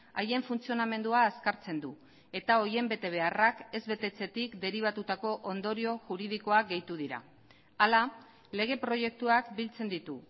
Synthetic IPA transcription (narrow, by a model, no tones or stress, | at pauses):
aje̞ɱfunt͡sio̞name̞nd̪uaːskaɾt͡se̞nd̪u | e̞t̪ao̞je̞mbe̞t̪e̞β̞e̞arake̞zβe̞t̪e̞t͡se̞t̪ikd̪e̞ɾiβ̞at̪ut̪ako̞ʔond̪o̞ɾio̞ʝuɾið̞iko̞aɡe̞jt̪uð̞iɾa̰ | ala | le̞ɣ̞e̞pɾo̞je̞k̚t̪uakbilt͡se̞nd̪it̪u